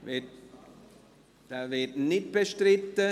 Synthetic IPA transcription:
vɪt | d̥aːvɪtnɪt̚b̥əʃtʁɪtə

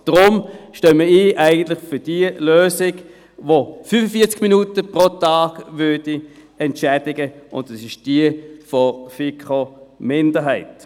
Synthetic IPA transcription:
d̥ʁʊmʃtøːməiːʔaɪɡən̩tlɪχfʏɐd̥iəløːsɪɡ | vofyfəfiːɐt͡sɡ̥minutəpʁotaːɡ̥vʏɐd̥i | ɛntʃɛd̥ɪɡəʔʊ̰ndɛsɪʃd̥iəfɔfikʰomɪndəɦaɪt

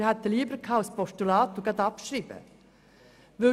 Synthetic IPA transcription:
hɛt̪ːəliːbɾkʰɑʊspɔʃʈʊlɑːt̪ʊɡɑt̪ɑpʃɾiːbə̰ | ʋʉ

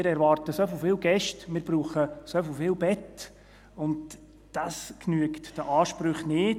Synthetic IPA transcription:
ɪɾɛɾʋɑːɾtəsoflfɪːlɡɛʃtmɪːɾb̥ɾuːχəsoflfɪːlbɛt | ʊnd | d̥ɑsknyəktd̥əʔɑːʃpɾʏχnɪːt

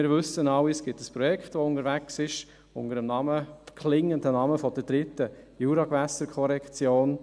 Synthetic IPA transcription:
ɪɾvʏsənɑwisɡ̥ɪtəspɾɔjɛkχtʋoʊndəɾvæksɪʃ | ʊ̰ndəɾəmnɑməkʰlɪŋːəndənɑməfɔd̥əɾd̥ɾɪtə | juːɾɑɡ̥væsəɾkʰɔɾɛkt͡sjoːn

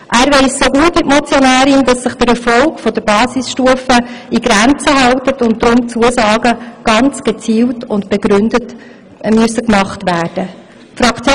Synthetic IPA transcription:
ʔæːɾʋeɪssoɡuətvɪtmɔt͡sjɔnæːɾɪnd̥ɑsːəχd̥əɾɛɾfɔlkfɔdəɾb̥ɑːsisʃtuəfəiɡɾænt͡səɦɑltətʊnt̚d̪ɾʊmt͡suəsɑːɡəɡ̥ɑnt͡sɡ̥et͡siːltʊntb̥eɡɾʏndət | myəsəkmɑχtʋæːrd̥ə | fɾɑkt͡sj

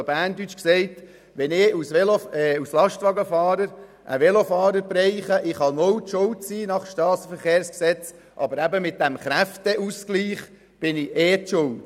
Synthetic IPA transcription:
bæːndyt͡ʃksɛɪt | ʋɛnɪusʋɛloɛuslɑʃtʋɑɡəfɑːɾəɾ | ʔə̰ʋɛlofɑːɾəɾbrɛɪχəʔɪχhɑmɔwtʃʊltt͡siːnɑχʃtɑːsəfəɾχeːɾsksɛt͡s | ʔɑ̰bəɾæbəmɪt̚d̥æmχɾæftəʔuskliːχ | b̥ɪnɪeːtʃʊlt

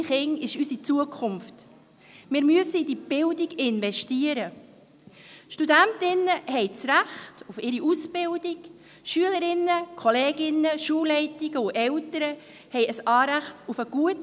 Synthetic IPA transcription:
χɪŋɪʃysit͡suəkʰʊmft | mɪːɾmyəsəidib̥ɪldiɡɪnvɛʃtiəɾə | ʃtudæntɪnːəhɛɪt͡sɾæχtufɪɾiʔusb̥ɪldiɡ | ʃyələɾɪnːəkʰχɔleːɡɪnːəʃuːlːɛɪtɪɡ̥əʊʔɛltəɾə | hɛjəsɑːɾæχtufəɡ̥uət

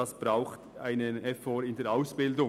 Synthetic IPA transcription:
ɑsb̥ʁaʊxta̰ɪnənɛfoːɾɪndeːɐɾʔaʊsb̥ɪldʊ

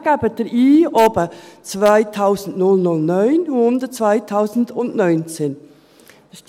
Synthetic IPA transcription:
ɡ̥aːbədɛʔiːʔobət͡svaɪtʰaʊzn̩nʊlnʊlnœʏnhʊndət͡svaɪtʰaʊzn̩dʊntnœʏnt͡seːn

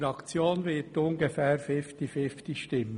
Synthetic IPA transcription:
ɾɑkt͡sjoːnʋɪtʊnɡefɛːɾfɪft̪ifɪftiʃtɪmːə

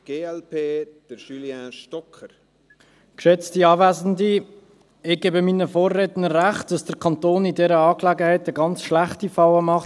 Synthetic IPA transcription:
ɡ̥eːɛlpʰeːd̥əʃyljãːʃtɔkʰːəɾ | kʃɛt͡stiɑːvæːzn̩di | ɪɡ̥eːbəmiːnəfoːrːetnəɾːæχt̚d̥ɑsd̥əɾkʰɑntoːnɪdɛɾəɑːklɛɡəhɛɪtəɡɑnt͡sʃlaχtifɑwəmɑχt

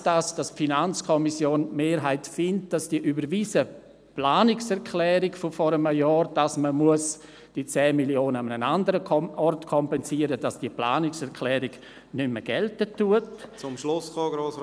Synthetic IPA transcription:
d̥asd̥asfinant͡skʰɔmisjoːnmeːɾɦaɪtfɪnt̚d̥asd̥iəʔybəɾviːsə | plaːnɪksɛɾkʰlɛːɾɪɡfofɔɾəməjɔːɾd̥asməmuəs | d̥it͡sɛːmiljoːnəamnənandəɾəɔrtkʰɔmpɛnsiːəɾəd̥ɑsd̥iəpla̰ːnɪksɛɾkʰlɛːɾɪɡ | nʏməɡ̥ɛltətːuətt͡sʊmʃlʊsχoːɡɾoːs

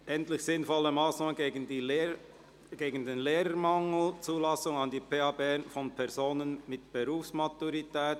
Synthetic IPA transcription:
ʔɛntlɪçsɪnfɔləmaːsnɑːmənɡeːɡəndilː | ɡ̥eːɡən̩denleːɾəmaŋl̩t͡suːlɑsʊŋɑndiːpʰeːɑbɛnfɔnpʰɛɐʁzoːnənmɪtb̥eʁuːfsmatuɾitɛːt

